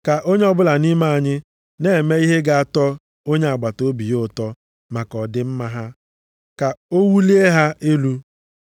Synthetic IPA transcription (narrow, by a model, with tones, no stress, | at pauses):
ka˨ʔo˦ɲe˦ɔ˦bʊ˦la˨ni˦ma˦a˨ɲɪ˦ | ne˦˨e˨me˦i˦ɦe˦ɡa˨a˨tɔ˦ | o˦ɲe˦a˨ɡ͡ba˨to˦bi˨jo˦˨tɔ˦ | ma˨kɔ˨dɪ˦m̩˦ma˦ɦa˦ | ka˨o˦wu˦li˦e˦ɦa˦ʔe˦lu˦